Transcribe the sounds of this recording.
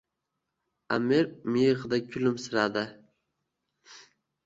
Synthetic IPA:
a̰miɾmijʁd̪akʲʰʊlɪmsɨɾad̪ɪ

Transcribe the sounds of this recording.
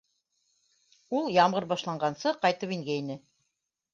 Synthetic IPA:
ulˠjɑmʁɤɾbɑʃlˠɑɴɢɑnsɤqɑjt̪ɤpiŋɡæinɘ

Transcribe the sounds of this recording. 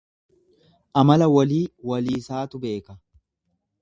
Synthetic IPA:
ʔɐmɐlɐwɐliːwɐliːsaːt̪ʊbe̞ːkɐ

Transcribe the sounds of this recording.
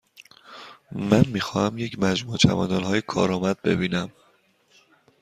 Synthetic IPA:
mænmiːxɒːhæmjecʰmæd͡ʒmuːt͡ʃʰæ̰vɒ̰ːd̪ɒːnhɒːjekʰɒ̰ːɾɒːmæd̪̚be̞̰biːnæm

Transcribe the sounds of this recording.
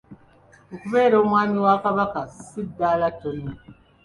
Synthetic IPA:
okuβeːɾoːmwaːmiwaːkaβakasidːaːlatonːi

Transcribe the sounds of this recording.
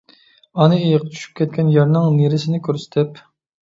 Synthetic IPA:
ɑnɨejɪqt͡ʃʰy̥ʃy̥p̚kʲɛt̪̚kʲɛnjɛɾnɨŋneɾɪsɪnɪkʲøɾsɪ̥t̪ʰɪp

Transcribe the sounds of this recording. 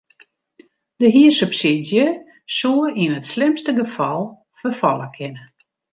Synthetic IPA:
dəɦiəsupsidjə | suəinətslɪmstəɡəfɔlˠ | fərfɔlˠəkʰɪnə

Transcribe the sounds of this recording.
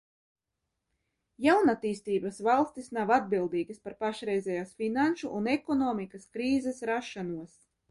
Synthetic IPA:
jawnat̪ːiːst̪iːbasvalˠst̪isnawad̪̚bilˠd̪iːɡaspaɾpaʃɾɛjzɛjaːsfinanʃuʔunekɔnɔːmikaskɾiːzɛsɾaʃːanuɔs

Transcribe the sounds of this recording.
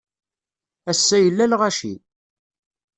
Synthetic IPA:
æsːæjəlːælʁæʃḭ

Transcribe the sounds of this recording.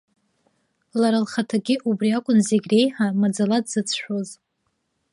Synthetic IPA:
laɾalχatʰaɡʲɪʔubriakʷʼʊnzeɡʲre̞jħamad͡zaladzɨt͡sʰħʷᶣoz

